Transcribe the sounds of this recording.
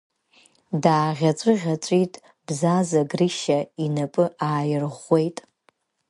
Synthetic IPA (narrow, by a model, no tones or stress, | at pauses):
daːʁʲat͡sʷʼɨʁʲat͡sʷʼitʼ | b̥zazaɡrɨʃainapʼɨʔaːjɪrʁʷe̞jtʼ